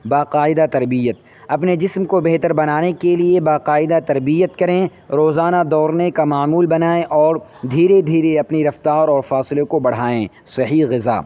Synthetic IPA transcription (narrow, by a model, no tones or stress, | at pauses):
baːqaːɪd̪at̪ɐɾbijət̪̚ | ɐpned͡ʒɪsmkobɛɦt̪əɾbɐnaːnekeliebaːqaːɪd̪at̪ɐɾbijət̪kɐɾẽ | ɾoːzaːnad̪ɔːɾnekamaːmuːlbɐnaːẽʔɔːɾd̪ʱiːɾed̪ʱiːɾeɐpniɾɐft̪aːɾɔːɾfaːsɪlekobɐɽ̤aːẽː | sɐɦiːɣɪza̰ː